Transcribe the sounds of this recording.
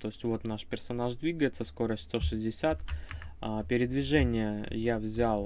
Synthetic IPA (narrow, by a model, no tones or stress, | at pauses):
t̪o̞ɪsʲtʲvo̞t̪naʂpʲɪrsɐnaʐd̪vʲiɡəjɪt̪səsko̞ɾəsʲtʲst̪o̞ʂɨzʲdʲɪsʲat̪apʲɪɾʲɪd̪vʲɪʐɛnʲɪjəjavzʲalˠ